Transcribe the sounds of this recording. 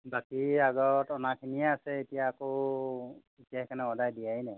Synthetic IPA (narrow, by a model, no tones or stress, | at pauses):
bakiaɡɔtɔnakʰinijaasɛːtijaːko | etijaɛkanɛɔdajdijainɛ